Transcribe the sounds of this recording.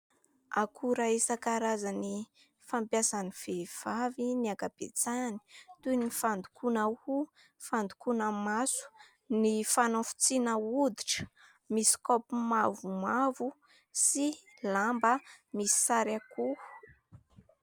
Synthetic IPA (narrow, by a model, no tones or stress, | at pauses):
a̰kʰuɾaesakaɾazani | fampjasaniv̥ev̥aviniakab̥et͡sani̥t̪unifand̪ukʰunahu | fand̪ukunəmasu̥ | nifanofu̥t͡sinəud̪iʈ͡ʂə̥ | misi̥kɔpumavumavu | si | lambəmisi̥saɾaku